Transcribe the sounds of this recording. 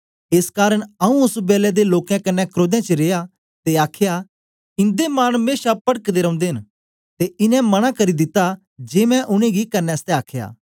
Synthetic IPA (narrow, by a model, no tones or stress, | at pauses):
eːskaːɾəɽ̃ɐũʊsbɛːlɛd̪eloːkjɛ̃kɐnːɛkɾoːd̪jɛ̃t͡ʃəɾeːja | t̪eaːkʰja | ɪ̃nd̪emaːñmeːʃapɐɽəkd̪eɾɐ̃ʊ̃nd̪eɦɪ̃n | t̪eɪnɛ̃mɐɽ̃akɐɾid̪ɪt̪ːa | d͡ʒeːmɛ̃ʔʊɽ̃ẽɡikɐnːɛɐst̪ɛaːkʰja̰ː